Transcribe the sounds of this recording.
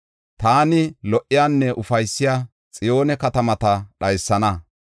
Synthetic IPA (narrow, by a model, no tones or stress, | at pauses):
t̪aːnɪlɔʔɪjaːnːɛʔʊfɐjsːɪjaː | t͡sʼɪjo̞ːnɛkɐt̪ɐmɐt̪ɐɗɐjsːɐnɐ